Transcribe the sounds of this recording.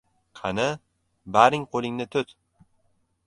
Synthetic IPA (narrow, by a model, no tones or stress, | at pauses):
qʰɑnɪ | baɾɪŋqʰolˠɪŋnɪt̪ʰʊt̪